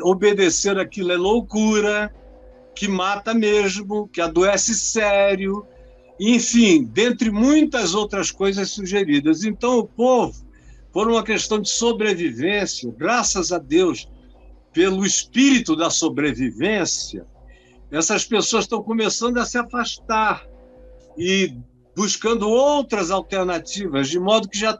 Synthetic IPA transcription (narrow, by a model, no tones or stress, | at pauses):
obed̪eseɾakilɛlokuɾɐ | kɪmat̪ɐmeʒmʊkɪad̪uɛsɪsɛɾjʊ | ẽfĩd̪ẽnt̪ɾɪmũj̃t̪ɐzowt̪ɾɐskojzɐssuʒeɾid̪ɐzẽnt̪ɐ̃w̃ʊpovʊ | foɾũmɐkeʃt̪ɐ̃w̃d͡ʒɪsobɾevivẽsjɐɡɾasɐzad̪ews | pelʊɪspiɾit̪ʊd̪ɐsobɾevivẽsiɐ̰ | ɛsɐspesoɐsʃt̪ɐ̃w̃komesɐ̃nd̪ʊɐsɪafaʃt̪aɾ | ɪ | buʃkɐ̃nd̪ʊowt̪ɾɐzawt̪eɾnat͡ʃivɐzd͡ʒɪmɔd̪ʊkɪʒa